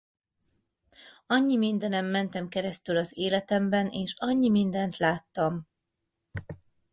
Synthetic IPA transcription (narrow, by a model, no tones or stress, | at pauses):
ɒɲːimind̪ɛnɛmːɛnt̪ɛmkɛɾɛst̪ylɒzeːlɛt̪ɛmbɛnʔeːʃɒɲːimind̪ɛnt̪laːt̪ːɒm